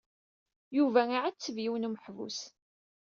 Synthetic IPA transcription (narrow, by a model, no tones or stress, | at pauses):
juvæiʕat͡sːəvjiwnuməħvṵs